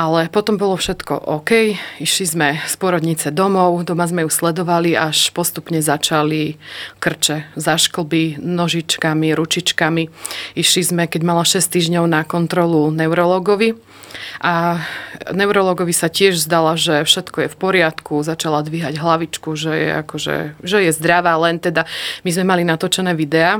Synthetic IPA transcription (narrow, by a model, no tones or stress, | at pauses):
ʔalɛpɔt̪ɔmbɔlɔfʃɛt̪kɔ̰ʔɔkɛjiʃlizmɛspʊɔɾɔd̪ɲit͡sɛd̪ɔmɔʊd̪ɔmazmɛjuslɛd̪ɔʋaliaʃpɔst̪upɲɛzat͡ʃalikr̩t͡ʃɛzaʃkl̩ˠbinɔʒit͡ʃkamiɾut͡ʃit͡ʃkamiiʃlizmɛkɛɟmalaʃɛst̪iːʒɲɔʊnakɔnt̪ɾɔlunɛʊɾɔlɔːɡɔʋi | ʔa | nɛʊɾɔlɔːɡɔʋisacɪɛʒzd̪alaʒɛfʃɛt̪kɔjɛfpɔɾɪat̪kuzat͡ʃalad̪ʋiɦaɟɦlaʋit͡ʃkuʒɛjɛ̰a̰kɔʒɛ̰ʒɛjɛzd̪ɾaʋaːlɛnt̪ɛd̪amizmɛmalinat̪ɔt͡ʃɛnɛːʋid̪ɛaː